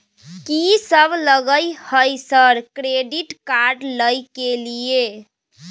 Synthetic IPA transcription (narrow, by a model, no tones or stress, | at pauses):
kisəbləɡəjhəjsəɾkɾeɖiʈkaɾɖləjkelije